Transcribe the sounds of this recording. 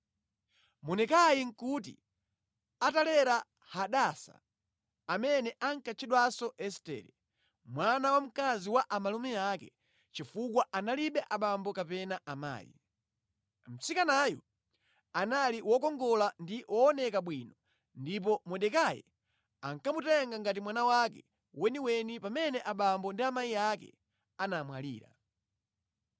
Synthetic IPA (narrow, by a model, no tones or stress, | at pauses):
mɔnɛkajiŋ̩kut̬ḭ | atalɛɾa | haɗasa̰ | amɛnɛʔaŋkat͡ʃʰiɗwasɔʔɛstɛ̰ːɾɛ | mwanawam̩kaziwaʔamalumɛakɛ | t͡ʃifukwaʔanaliɓɛʔaɓambɔkapɛnaʔama̰ːjḭ | m̩t͡sikanajɔ̰ | analiwɔkɔŋɡɔlandiwɔːnɛkaɓwinɔ | ndip̬ɔmwɛɗɛkajɛ̰ | aŋkamutɛŋɡaŋɡat̬imwanawakɛ̰ | wɛniwɛnipamɛnɛʔaɓambɔndiamaiakɛ̰ | anamwalḭːɾa̰